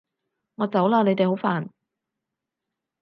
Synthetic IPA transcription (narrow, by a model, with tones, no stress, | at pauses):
ŋɔː˨˧t͡sɐ˨˥wlaː˧˥ne˨˧jt̪e˨jɦo˨˥wfaː˨n